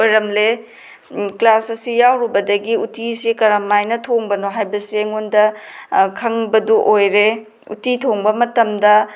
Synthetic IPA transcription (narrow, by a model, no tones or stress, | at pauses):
ojɾɐmle | klasɐsijawɾubɐdɐɡiutisikɐɾɐmajnɐtʰoŋbɐnoɦajbɐseŋondɐkʰɐŋbɐduʔojɾe | ṵtitʰoŋbɐmɐtɐmdɐ